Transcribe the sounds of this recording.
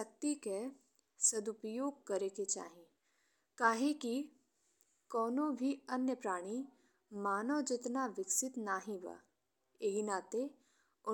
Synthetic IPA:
ək̚t̪ike | sɐd̪ʊpəjoːɡ̚kɐɾeket͡ʃa̰ːɦẽ | kaːɦẽki | kɔːnõbʱiɐnjəpɾaːɽ̃i | maːnoːd͡ʒɪt̪naʋɪksɪt̪naːɦĩʋa̰ː | eɦinaːt̪e | ʊ

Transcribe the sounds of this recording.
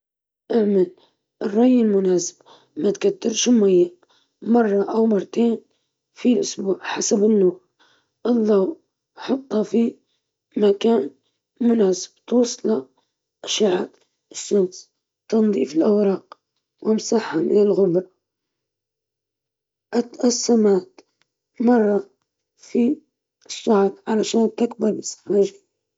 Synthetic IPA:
ʔaʕmal | ʔrˤːɑjɪlmʊnaːsɪ̥b̥ | mat̪kat̪ːɑɾʃmæjːaʔ | mɑrˤːɑʔawmɑrˤːt̪eːn | filʔʊsbuːʕħasabənːuːɾ | ʔɨðˤːɑw | ħɑt̪ˤːɑfi | makæːn | mʊnæːsə̥b̥̚t̪wɑsˤːlɑ | ʔaʃaʕat̪ | ɪʃːams | t̪ɑnðˤḭːfɪlʔawɾɑːq | wɪmsaħamɪ̰nɪlɣʊbɾˤɑ | ʔat̪ʔasːamaːt̪ | mɑrˤːɑ | fi | ʃːɑʕɾʕalaʃaːnt̪ɪkbɑɾˤʔɪsḁfaʒa

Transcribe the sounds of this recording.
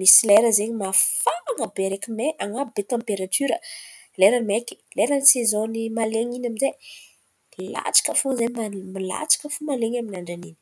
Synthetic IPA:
misileɾəzeɲimafaaŋəbeɾekimeʔaŋabet̪ãmpeɾat̪yɾə | leɾənimeki̥leɾənisezõnimaleɲinaminze | la̰t͡sḁkəfozemamila̰t͡sḁkəfomaleɲaminaɳɖ͡ʐanini

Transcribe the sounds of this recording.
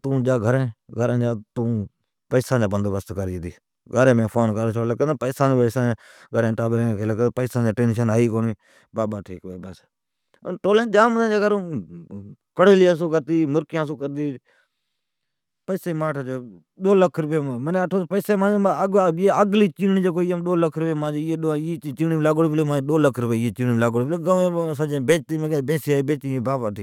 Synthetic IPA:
t̪ũːd͡ʒaːɡʱəɾẽːɡʱəɾẽːd͡ʒaːt̪ũː | pəːsãːd͡ʒaːbənd̪ʋəst̪kəɾd͡ʒiːt̪iː | ɡʱəɾẽːmẽːpʰoːnkəɾt͡ʃʰoːlək̪ːpəɪːsãːd͡ʒeːpəsãː | ɡʱəɾẽːʈaːbɾẽːkʰeːlk̪ːpəɪsãːd͡ʒaːʈeːnʃənaːiːkoːniː | baːbaːʈʰiːkʋeːbəs | ʈoːlẽːd͡ʒaːmənẽd͡ʒaːɡəɾõː | kəɽeːliːəsoːkəɾt̪iːmʊɾkjãːsoːkəɾt̪iː | pəɪseːmaːʈʰad͡ʒo | ɗoːləkʰɾʊpeːməneːəʈʰoːpəɪseːmãːeeəɡliːt͡ʃiːɳiːd͡ʒeːkoːijãːmɗoːləkʰːɾʊpeːmãːd͡ʒeeːɗoeːt͡ʃiːniːmlaːɡoːɽpleːmãːɗoːləkʰɾʊpeːeːt͡ʃiːnimlaːɡoːɽpleɡəʋẽːsad͡ʒẽːbeːt͡ʃt̪iːmeebẽːsiːaːiːbeːt͡ʃt̪iːeːbaːbaːʈʰiː

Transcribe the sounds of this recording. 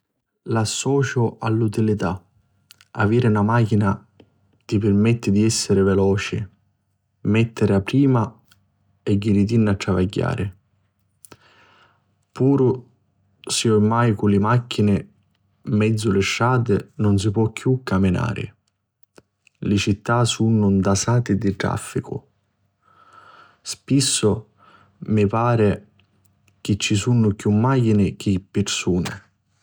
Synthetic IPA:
lasːɔːt͡ʃʊalːut̪ilit̪a | a̰viːɾɪnamaːkina | t̪ipɪrmɛt̪ːɪd̪iɛsːɪɾɪvɛlɔːt͡ʃɪ | mɛt̪ːɪɾɪapːɾiːma | ɛɟːiɾit̪̬inːatːɾavaɟːa̰ːɾɪ̰ | puːɾʊ | siomːajkʊlɪmakʰːinɪ | mɛd̪zːʊlɪʃːaːt̪ɪnʊns̬ipwɔkːjukːamɪna̰ːɾɪ̰ | lɪt͡ʃit̪ːasunʊnd̪asaːt̪ɪd̪iʈ̪ɾa̰fːikʊ̰ | spisːʊ | mɪpaːɾɛ | k̟ɪt͡ʃːisunːʊkjumːajinɪk̟ɪpːɪɾsuːnɪ̰

